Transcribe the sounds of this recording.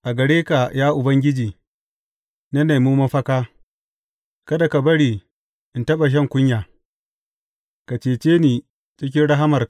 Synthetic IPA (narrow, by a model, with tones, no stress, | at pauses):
ʔa˨ɡɐ˨ɽeː˦ka˨jaː˦ʔʊ˨bɐ˦ŋɡʲɪ˦d͡ʒiː˨ | nɐ˦ne˨mu˦mɐ˦ɸɐ˦kaː˦ | kɐ˦da˨ka˨bɐ˦ɽiː˨ | ʔɪ˨ntɐ˦ɓa˨ʃ̬ɐ˦˨ŋkʷʊ˦ɲjaː˨ | ka˨t͡ʃeː˨t͡ʃeː˦niː˨ | t͡ʃɪ˦k̬ʲɪ˦nɽɐ˦ɦa˦mɐ˨r